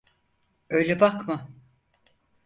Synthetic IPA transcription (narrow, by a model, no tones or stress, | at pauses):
øjlʲɛbakma